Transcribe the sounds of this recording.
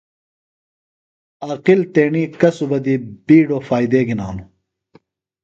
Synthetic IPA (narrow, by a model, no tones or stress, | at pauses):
aːqilt̪eːɳiːkɐsubɐd̪ibiːɖoːfaːjd̪eːɡinaːnu